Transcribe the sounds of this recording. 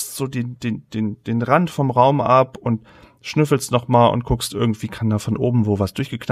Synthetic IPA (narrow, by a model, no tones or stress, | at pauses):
stz̥oːdeːndeːnd̥eːnd̥eːnʁantfɔmʁaʊmʔapʔʊnt | ʃnʏfl̩stnɔχmaːlʔʊ̰nt̚kʰʊkstʔɪɐɡŋ̩tv̥iːkʰandaːfɔnʔoːbm̩voːvasd̥ʊɐçɡ̥əkʰna